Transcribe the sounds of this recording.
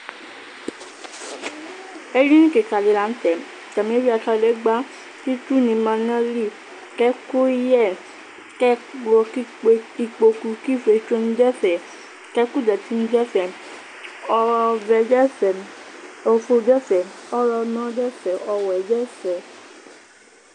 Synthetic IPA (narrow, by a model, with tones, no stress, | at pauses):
e˦ɾĩ˦nĩ˦ke˨ka˨li˨˧la˧˦n̩˦tɛ˨ | t͡ʃa˨mẽ˨˦ɾi˦a˧ta˦˧˨lɛ˨˦ɡ͡ba˦ | ki˦tu˦˨nĩ˧˦mã˧nã˦li˦˨ | kɛ˦ko˦i˦jɛ˦˨ | kɛ˦ɔ˧ki˦k͡pe˧i˧k͡po˧ku˧ki˦fe˧˦t͡ʃo˦n̩˦d͡ʒɛ˦fɛ˨ | kɛ˦ku˦dɛ˨ti˦n̩˦d͡ʒɛ˦fɛ˦˨ | ɔ˧vɛ˧d͡ʒɛ˦fɛ˨ | o˧fo˧d͡ʒɛ˦fɛ˨ɔ˦ɾɔ˧nã˦dɛ˦fɛ˨ʔɔ˧wɛ˨d͡ʒɛ˦sɛ˨